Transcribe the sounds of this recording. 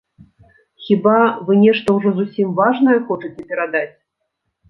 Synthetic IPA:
xʲibavɨnʲɛʂt̪ɐwʐɔzusʲimvaʐnɐjɛxɔt͡ʂɨt͡sʲɛpʲɛɾad̪at͡sʲ

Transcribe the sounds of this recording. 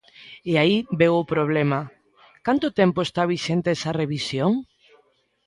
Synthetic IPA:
eaibewʊpɾoβ̞lemɐ | kant̪ʊt̪empoest̪aβ̞iʃent̪eɛsɐreβisjoŋ

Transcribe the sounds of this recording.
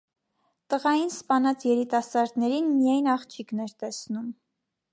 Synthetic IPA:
t̪əʁɑjinspɑnɑt͡sʰjɛɾit̪ɑsɑɾd̪nɛɾinmijɑjnɑχt͡ʃʰiknɛɾt̪ɛsnum

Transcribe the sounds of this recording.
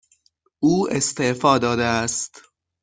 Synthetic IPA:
ʔuːest̪e̞ʔfɒːd̪ɒːd̪eæst̪

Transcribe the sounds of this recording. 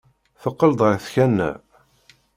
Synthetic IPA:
θəqːəld̪ˤəɾθçænːæ̰

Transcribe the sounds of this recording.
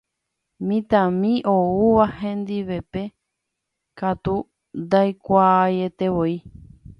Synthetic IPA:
mĩt̪ãmĩʔouʋahẽ̞nd̪iʋe̞pe̞ | kat̪u | nd̪ajkʷajet̪e̞βoi

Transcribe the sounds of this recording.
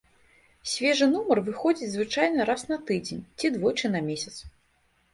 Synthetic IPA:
sʲvʲɛʐɨnumɐrvɨxɔd͡zʲit͡sʲzvɨt͡ʂajnɐɾasnɐt̪ɨd͡zʲenʲt͡sʲid̪vɔjt͡ʂɨnɐmʲesʲɐt̪s

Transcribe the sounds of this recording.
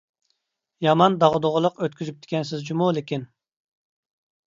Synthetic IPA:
jɑmɑnd̪ɑʁd̪oʁəlˠəqøt̪̚kʲyzyp̚t̪ʰɪ̥kʲɛnsɪzd͡ʒumulˠɪkʲin

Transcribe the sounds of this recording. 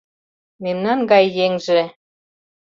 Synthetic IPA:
memnɑnɡɑjːeŋʒĕ

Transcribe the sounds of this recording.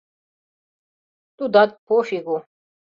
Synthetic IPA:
t̪ud̪ad̪̚pʰoːɕiɡo

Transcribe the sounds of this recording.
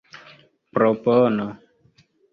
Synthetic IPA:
pɾɔpɔnɔ

